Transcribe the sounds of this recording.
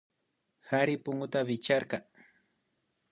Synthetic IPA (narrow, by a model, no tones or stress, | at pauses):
haɾɪpʊŋʊt̪aβɪt͡ʃaɾɢɑŋ